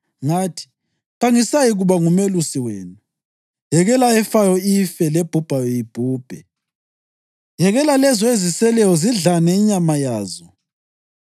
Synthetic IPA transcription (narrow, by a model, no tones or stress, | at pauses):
ŋaːtʰi̥ | ɣaŋisajiɣuβaŋumelusiweːnu | jɛɣɛlaɛfajɔifɛlɛb̥ʱub̥ʱajɔjib̥ʱuːb̥ʱɛ | jɛɣɛlalɛzɔezisɛlɛjɔziɮanɛiɲamajaːzɔ